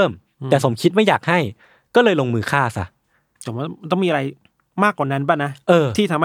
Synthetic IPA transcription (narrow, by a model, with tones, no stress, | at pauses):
m | ɛː˨˩so˩˦mkʰi˦t̪̚ma˥˩jaː˨˩k̚ha˥˩j | kɔː˥˩lɤː˧jloː˧ŋmɯː˧kʰaː˥˩sa̰˦˥ | pʰo˩˦ma˧˩˥t̪ɔ˥˩mi˧ʔɾa˧j | maː˥˩kːwaː˨˩na˦˥nbaː˥˩na˦˥ʔʔɤː˧t̪ʰiː˥˩a˧m